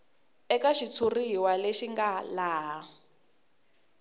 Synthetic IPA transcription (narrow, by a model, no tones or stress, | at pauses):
ɛkaʃit͡sʰuriwaleʃiŋɡalaːɦa